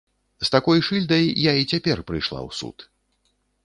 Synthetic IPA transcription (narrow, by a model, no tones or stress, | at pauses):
st̪akɔjʂɨlʲd̪ɐjːait͡sʲapʲɛrpɾɨjʂlˠa̰wsṵt̪